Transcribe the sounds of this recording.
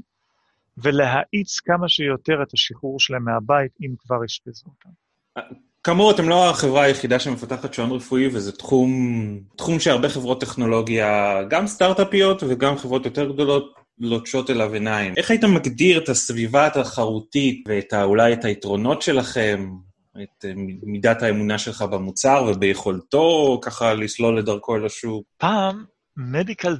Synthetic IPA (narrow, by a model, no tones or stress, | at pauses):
vele̞ɦaʔit͡skamaʃejo̞te̞ʁetaʃiχuʁʃelemeabaitimkvaʁiʃpezut̪am | a | kamuʁate̞mlo̞aχe̞vʁaːjeχidaʃeme̞fataχatʃonʁefuivezɛtχumtχumʃeaʁbeχe̞vʁo̞tːe̞χno̞lo̞ɡiaɡamstaʁtapijo̞tveɡamχevʁo̞t̪jo̞teʁɡdo̞lo̞t̚ | lo̞t͡ʃo̞telavenaimʔe̞χajitemːaɡdiʁetasvivataχaʁutitveːtaulajetaitʁo̞no̞tʃe̞laχe̞m | etimidathaemunaʃe̞lχabemut͡saʁvebejeχo̞lto̞kaχalislo̞lːe̞daʁko̞elaʃuvpamː | edikal